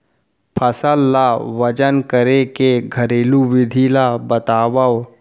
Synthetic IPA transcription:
pʰəsəlːaʋɐt͡ʃənkəɾekeɡʱɐɾeːluʋɪd̪ʱiːlabɐt̪aːbao

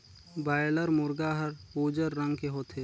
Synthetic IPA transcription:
baːjləɾmʊɾɡaɦəɾuːd͡ʒəɾːə̃ŋɡkeɦoːt̪ʰeː

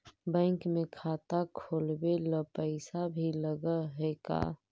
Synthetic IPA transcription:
bɛ̃ɪŋkmẽkʰaːt̪akʰoːlbeləpəɪsabʱiləɡəɦɛːka̰ː

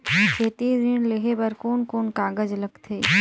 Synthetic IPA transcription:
t͡ʃʰeːt̪id̪ɪnleɦebəɾkoːnkoːnkaːɡəd͡ʒləɡt̪ʰeː

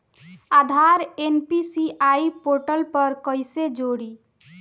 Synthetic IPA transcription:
ad̪ʱaɾenpisiʔajpoɾʈəlpəɾkəjsed͡ʒoɽi

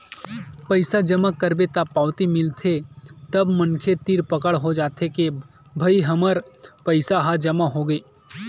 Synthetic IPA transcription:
pəɪsad͡ʒəmakəɾbet̪apaːʊt̪imɪlt̪ʰet̪ɐbmɐnkʰet̪iːɾpəkəɽɦod͡ʒaːt̪ʰeke | bʱɐiɦɐməɾpəɪsaɦad͡ʒɐmaɦoɡeː

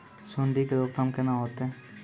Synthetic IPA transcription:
sʊnɖ̪ʱikeɾoːk̚t̪ʰəmkenãɦoːt̪eː

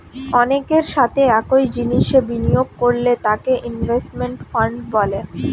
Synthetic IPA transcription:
ɔnekeɾʃat̪ʰeɛkojd͡ʑiniʃebinijoɡ̚koɾlet̪akeʔinbʱesʈmeɳʈfaɳɖbɔle

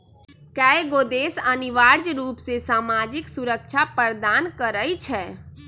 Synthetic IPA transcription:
kɛeɡoːd̪esəniʋaːɾd͡ʒɾuːpsesaːmad͡ʒɪksuɾək̚t͡ʃʰapəɾd̪aːnkəɾəit͡ʃʰɛː

